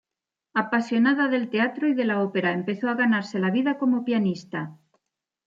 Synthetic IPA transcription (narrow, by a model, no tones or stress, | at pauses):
apasjo̞naðaðe̞lt̪e̞at̪ɾoiðe̞lao̞pe̞ɾaempe̞θoaɣanaɾse̞laβ̞iðako̞mo̞pjanist̪a